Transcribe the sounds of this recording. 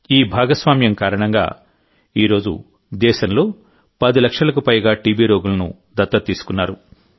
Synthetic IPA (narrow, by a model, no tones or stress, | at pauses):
iːbʱaːɡɐsʋaːmjɐmkaːɾɐɳɐŋɡa̰ː | iːɾo̞ːd͡ʒṵ | d̪ɛːʃɐnlo̞ː | pɐd̪ilɐkʂɐlɐk̬upɐjɡaːʈiːbiːɾo̞ːɡulɐnṵ | d̪ɐt̪ːɐt̪iːsu̥kunːaːɾu